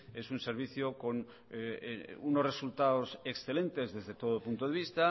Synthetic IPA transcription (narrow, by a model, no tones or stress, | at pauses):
e̞sunse̞ɾβ̞iθjoko̞n | unozre̞sult̪aoseksθele̞nt̪e̞zðe̞zðe̞t̪o̞ðopunt̪oð̞e̞βist̪a